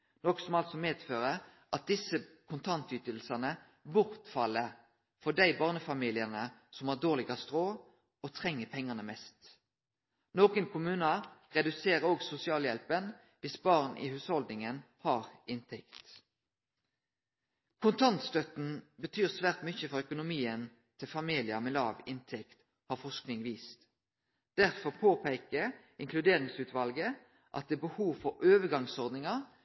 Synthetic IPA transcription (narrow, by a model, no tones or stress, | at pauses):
nɔksɔmɑlt̪sɔmeːd̪føːʁə | ʔɑt̪̚d̪ɪsə | kʰʊnt̪ʰɑnt̪yːt̪əlsɑnə | bʊʁt̪fɑlːə | fɔɖ̪æɪbɑːʁnəfɑmiːlɪənəsɔmɑːʁd̪oːlɪɡɑst̪ʁoː | ot̪ʰʁɛŋːəpʰɛŋːənəmɛst̪ | noːkənkʰʊmʉːnɑʁɛd̪ʉseːʁəoːɡsʊsɪɑːljɛlpən | ʋɪsbɑːʁnʔɪ̰hʉːshɔld̪nɪŋən | hɑːʁɪnt̪ʰɛkt̪ | kʰʊnt̪ʰɑnt̪st̪œt̪n̩bət̪ʰyːʁsʋæːʁt̪mʏçəfɔʁœkʊnʊmiːən | t̪ʰɪlfɑmiːlɪɑmɛlɑːʋɪnt̪ʰɛkt̪ | hɑːʁfɔsknɪŋʋiːst̪ | d̪̥æʁfɔʁpʰoːpeːkə | ɪŋkʰlʉd̪eːʁɪŋsʉːt̪ʋɑlɡə | ʔɑ̰t̪̚d̪eːbəhuːʋfɔɾøːʋəɡɑŋsɔʁd̪nɪŋɑ